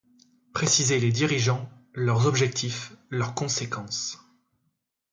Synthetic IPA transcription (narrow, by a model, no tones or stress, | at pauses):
pχesizeled̪iʁiʒɑ̃lœʁzɔbʒɛk̚t̪ʰiflœʁkɔ̃sekɑ̃s